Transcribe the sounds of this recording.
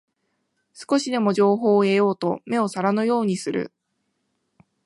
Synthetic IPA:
sɨ̥ko̞ɕid̪e̞mo̞ʑo̞ːɦo̞ːe̞jo̞ːt̪o̞me̞o̞saɾanojo̞ːɲ̟isɨɾɯ̰

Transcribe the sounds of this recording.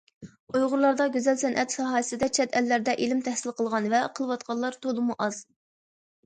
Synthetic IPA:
ujʁʊɾlˠɑɾd̪ɑɡʲyzɛlsɛnʔɛt̪sɑɦɑːjɪsɪd̪ɛt͡ʃʰɛt̪ɛlːæɾd̪ɛʔilɪmt̪ʰɛhsɪlqəlˠʁɑnvɛqʰəlˠwɑt̪qʰɑlˠːɑɾt̪ʰolˠɨmuʔɑz̥

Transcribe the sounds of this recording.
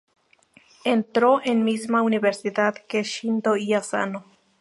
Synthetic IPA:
ent̪ɾoʔenmismauniβeɾsiðat̪keʃind̪oiasa̰no

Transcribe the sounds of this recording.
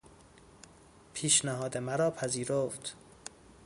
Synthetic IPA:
pʰiːʃnæɦɒːd̪emæɾɒːpʰæziːɾoft̪

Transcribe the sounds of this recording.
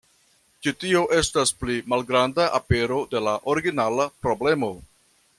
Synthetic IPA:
t͡ʃitio̞ʔe̞stasplimalɡɾandaʔape̞ɾo̞de̞laʔo̞ɾiɡinalapɾo̞ble̞mo̞

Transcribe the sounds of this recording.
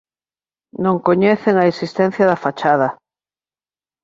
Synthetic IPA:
nõŋkoɲeθeŋaesist̪ɛn̟θjɐðafat͡ʃaðɐ

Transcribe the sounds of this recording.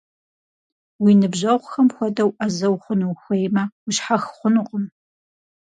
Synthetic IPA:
winɨbʑɐʁʷxɐmxʷɔdɐwʔɐzɐwχʷʊnɨwxʷejmɐwʊɕħaxχʷʊnɨqʼəm

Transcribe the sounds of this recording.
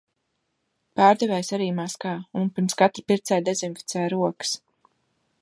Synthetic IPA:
paːɾd̪ɛvɛjsaɾiːmaskaːunpiɾmskat̪ɾpiɾt̪sɛjd̪ɛzimfi̥t̪sɛːjɾuɔkɨ̥s

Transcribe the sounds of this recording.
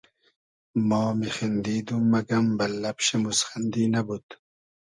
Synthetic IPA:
mɔːmixind̪iːd̪umːɐɡɐmbɐlːɐpʃemusxand̪inabut̪

